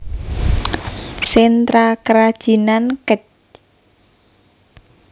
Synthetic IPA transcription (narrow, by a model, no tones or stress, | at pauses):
sɛnt̪ɾakəɾad̥ʒ̥i̤nankət͡ʃ